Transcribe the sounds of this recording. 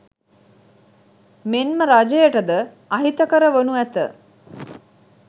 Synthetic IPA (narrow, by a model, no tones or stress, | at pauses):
menməɾad͡ʒejəʈəd̪ə | ɐɦit̪əkəɾəʋonuæt̪ə